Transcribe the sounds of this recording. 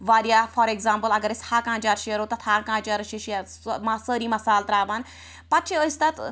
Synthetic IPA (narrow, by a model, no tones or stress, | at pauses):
ʋaːɾjaːfɔɾeɡzãːmpəlɐɡɐɾɪshaːkãːnt͡ʃaːɾʃeəɾoːt̪ɐt̪ʰaːkãːt͡ʃaːɾɐʃiʃiɐɾ | masəːɾiːmɐsaːlt̪ɾaːʋan | pɐt͡ʃʰiəst̪ɐt̪